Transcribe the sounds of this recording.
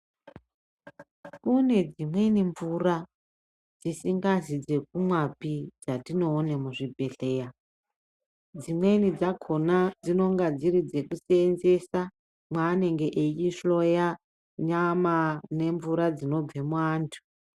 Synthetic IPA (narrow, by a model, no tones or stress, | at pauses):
kune̞d͡zimwe̞niɱvura | d͡zisiŋɡazid͡ze̞k̚umwapid͡zatino̞ːne̞muʐibʱe̞ɬe̞ːja | d͡zimwe̞nid͡zakʰo̞nad͡zino̞ŋɡad͡ziɾid͡ze̞kuseenze̞sa | mwaːne̞ŋɡe̞ʔet͡ʃiʃo̞ja | ɲamane̞ɱvuɾad͡zino̞b͡vemwaːntʰu̥